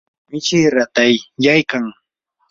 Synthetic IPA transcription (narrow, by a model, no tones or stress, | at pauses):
mɪt͡ʃɪɾat̪ajjajkaŋ